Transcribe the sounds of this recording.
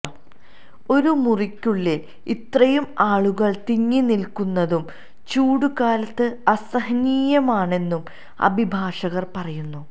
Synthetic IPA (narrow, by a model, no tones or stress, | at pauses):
o̞ɾumurikʲːuɭːil | it̪rɐjumaːɭuɣɐɭt̪iŋːinilkunːɐðum | t͡ɕuːɽukaːlɐt̪ːɨɐsɐɦɐniːjɐmaːɳe̞nːum | ɐ̰bʱibʱaːʂɐɣɐrpɐrɐjunːu